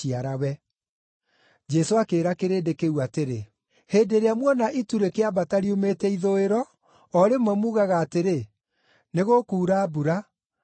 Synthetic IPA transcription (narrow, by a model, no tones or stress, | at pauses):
iaɾawɛ | d͡ʒɛsoakeːɾakeɾeːdekewateɾe | heːdeɾeamwɔnaʔituɾekeabataɾiumetɛiðoeɾɔ | ɔɾemwɛmuːɣaɣaːteɾe | neɣokuːɾaːbuɾa